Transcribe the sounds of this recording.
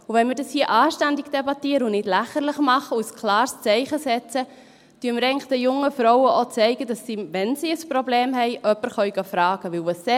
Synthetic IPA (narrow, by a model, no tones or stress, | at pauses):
uʋɛnmɪɾdɑshiəʔɑːʃtændɪkd̥ebɑtiːəɾəunɪdlæχəɾlɪχmɑχəuskʰlɑːɾst͡sɛɪχəsɛt͡sə | tyːəməɾɛɪŋld̥ɛjʊŋːəfɾɔwəʔot͡sɛɪɡədɑsːiːvɛnsiːəsprobleːmhɛɪʔœpːəɾχœʏɡɑfɾɑːɡ̥əʋɪlvɑsɛ